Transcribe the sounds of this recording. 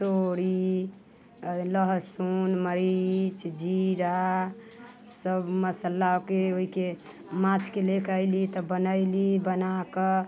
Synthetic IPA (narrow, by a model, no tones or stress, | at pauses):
t̪oɾi | ləɦsunməɾit͡ʃd͡ʒiɾa | səbməsəlːaokeoike | mãt͡ʃkelekəjlit̪ɔbənəɪlibənakə